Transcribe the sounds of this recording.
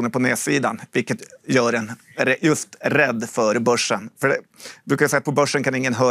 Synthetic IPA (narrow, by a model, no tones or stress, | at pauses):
uːnəɾpʰɔneːsiːd̪anvɪlkət̪jœːɾɛn | ɾɛjɵst̪ɾɛd̪ːfœɾbœʂːənfœɖɛbɾʉːkajsɛɪjat̪pʰɔbœʂːənkʰanɪŋːənɦœː